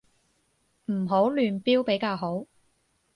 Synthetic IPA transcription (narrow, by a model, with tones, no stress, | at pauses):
m̩˨˩ɦo˨˥wlyː˨npiː˥wpe˨˥jkaː˧wɦo˨˥w